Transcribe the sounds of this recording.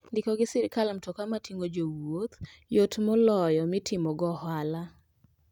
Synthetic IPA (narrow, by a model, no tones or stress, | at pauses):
ndɪkɔɡɪsɪɾkalamtokamatiŋɡod͡ʒowot̪jotmɔlɔjɔmɪtʰɪmɔɡɔhala